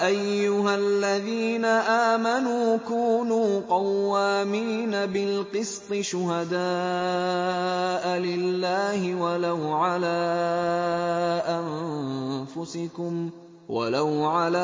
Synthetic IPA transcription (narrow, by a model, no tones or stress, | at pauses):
ʔajːʊɦalːaðiːnaʔaːmanuːkuːnuːqɑwːaːmiːnabɪlqɨst̪ˤɨʃʊɦad̪aː | ʔlɪlːaːhɪwalawʕalaː | ʔan | fʊsɪkʊm | wa̰lawʕalaː